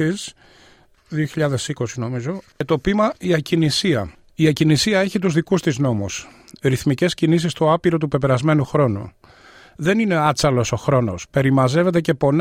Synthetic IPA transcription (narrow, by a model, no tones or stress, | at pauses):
is | ðioçiʎɐðe̞siko̞sino̞mizo̞et̪o̞pimɐiɐcinisiɐ | iɐcinisiɐe̞çit̪uzðikust̪izno̞musɾiθmice̞scinis̬ist̪oɐpiɾo̞t̪upe̞pe̞ɾɐzme̞nuxɾo̞nṵ | ðe̞nine̞ɐt͡sɐlo̞so̞xɾo̞no̞spe̞ɾimɐze̞ve̞t̪̬e̞ce̞po̞n